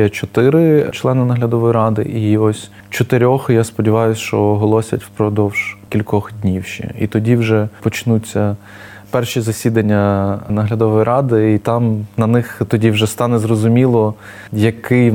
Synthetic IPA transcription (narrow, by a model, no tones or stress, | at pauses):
jɛt͡ʃɔt̪ɪɾɪt͡ʃlˠɛnɪnɐɦlʲɐd̪ɔʋɔjɾɑd̪ɪ̰ʔiɔsʲ | t͡ʃɔt̪ɪɾʲɔxjaspɔdʲiʋɑjʊsʲʃt͡ʃɔɦɔlˠɔsʲɐtʲwpɾɔd̪ɔwʒ̥kʲilʲkɔxdʲnʲiwʃt͡ʃɛ̰ḭt̪ɔdʲiwʒɛpɔt͡ʃnut͡sʲːɐ | pɛrʃizɐsʲid̪ɐnʲːɐnɐɦlʲɐd̪ɔʋɔjɾʔɑd̪ɪit̪ɑmnɐnɪxt̪ɔdʲiwʒɛst̪ɑnɛzrɔzʊmʲilˠɔ | jɐkɪj